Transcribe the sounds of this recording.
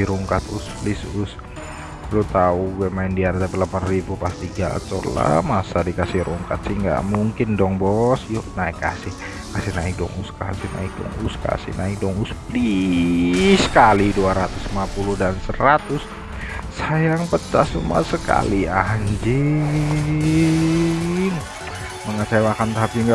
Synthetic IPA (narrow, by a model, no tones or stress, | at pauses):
ɾuŋkat̪usplɪsus | lut̪auɡuɛmaɪndiart̪apɛlapanribupast̪iɡa̰tɔrla̰masadikasɪhɾuŋkat̪̚siŋɡa̰ʔmuŋkɪndɔŋbɔsjunaɪka̰sɪh | kasɪhnaɪk̚dɔ̰ŋuska̰sɪhna̰ɪk̚dɔ̰ŋuska̰sɪ̰hnaɪk̚dɔŋuspli | səkaliduaɾat̪ʊsmapuluhdansəɾat̪ʊs | sajaŋpəta̰suma̰səka̰liaɲd͡ʒɪ | ŋ | məŋasaamakant̪aɦapiŋɡa